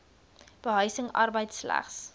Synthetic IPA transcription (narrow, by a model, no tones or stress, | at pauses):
b̥əɦœɥsəŋɐ̰rbəjtslæ̰χs